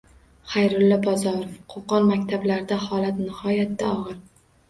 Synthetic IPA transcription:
χajɾʊlːɒbɒzɒɾofqʰoqɒnmakʲt̪ʰablaɾd̪ahɒlat̪nɪhɒjat̪̚d̪aɒʁɨɾ

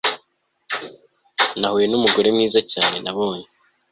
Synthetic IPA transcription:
nahuje̞numuɡo̞ɾe̞mŋiːzacaːne̞naβo̞ːne

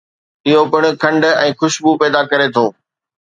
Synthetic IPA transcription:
ɪɦopɪɽ̃ʊ̆kʰɐ̃ɳɖɛ̃ːxʊʃbupɛːd̪akɐɾet̪ʰoː

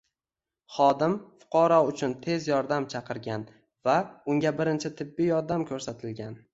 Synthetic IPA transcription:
χɒd̪ɪmfʊ̥qʰɒɾɒʊt͡ʃʰʊnt̪ʰe̞zjɒɾd̪amt͡ʃʰɑqʰɨɾɡʲan | vaʊŋʲabɪɾɪnt͡ʃʰɪt̪ʰɪbːɪjɒɾd̪amkʲʰɵɾsat̪ʰɪlɡʲan

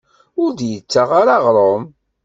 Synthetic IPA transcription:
ʊɾd̪jət͡sːaʁaɾɑʁɾˤom

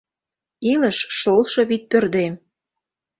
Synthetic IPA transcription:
ilə̆ʃʃolˠʃɤ̆βit̪̚pørd̪em

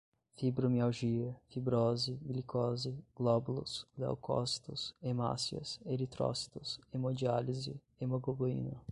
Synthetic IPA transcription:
fibɾomiawʒiɐfibɾɔzɪvilikʰɔzɪɡ̥lɔbulʊ̰sla̰wkʰɔ̰si̥t̪ʊsema̰siɐ̰seɾit̪ɾɔ̰si̥t̪ʊsemod͡ʒializɪ̰ | emoɡoboḭnɐ

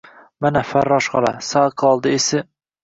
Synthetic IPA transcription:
manafaɾːɒʃʁɑlˠa̰saqʰɒlˠd̪ɪesɪ

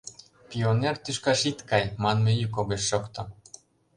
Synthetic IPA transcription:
pʲionert̪yʃkɑʃit̪kɑjmɑnmejykoɣeʃːokt̪ɤ̆

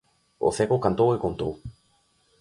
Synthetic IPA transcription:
o̰θekokant̪owekont̪o̰w

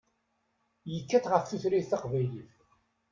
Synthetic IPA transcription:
jəkːæθʁəfθuθɾiθθɑqvæjliθ

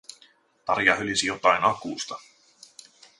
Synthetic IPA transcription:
t̪ɑrjɑɦølisijot̪ɑjnɑkuːst̪ɑ

